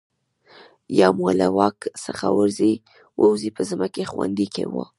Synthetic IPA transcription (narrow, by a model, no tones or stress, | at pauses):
jɑmualawɑksəxawəɾzi | wʔəwzipəzəmakexwand̪ikewo